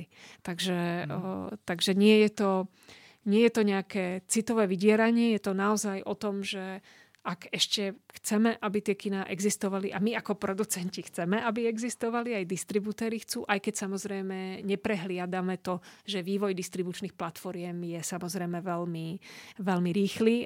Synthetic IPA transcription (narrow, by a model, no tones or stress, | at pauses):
t̪aɡʒɛ | t̪aɡʒɛɲɪɛjɛt̪ɔ | ɲɪɛjɛt̪ɔɲɛakɛːt͡sit̪ɔʋɛːʋiɟɪɛɾaɲɪɛjɛt̪ɔnaɔzajʔɔt̪ɔmʒɛ | akɛʃcɛxt͡sɛmɛʔabit̪ɪɛkinaːʔɛɡzist̪ɔʋaliʔamiakɔpɾɔd̪ut͡sɛɲcixt͡sɛmɛʔabiɛɡzist̪ɔʋaliajd̪ist̪ɾibut̪ɛːɾixt͡sṵːʔajkɛcsamɔzɾɛjmɛɲɛpɾɛɦlɪad̪amɛt̪ɔʒɛʋiːʋɔjd̪ist̪ɾibut͡ʃniːxplat̪fɔɾɪɛmjɛsamɔzɾɛjmɛʋɛlmiʋɛlmiɾiːxliː